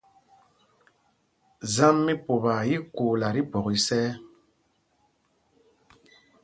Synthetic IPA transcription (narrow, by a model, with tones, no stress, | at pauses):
za˦mːi˦po˨ba˨ji˦kuː˨la˨ɾi˦bɔ˨ɣi˨sɛː˦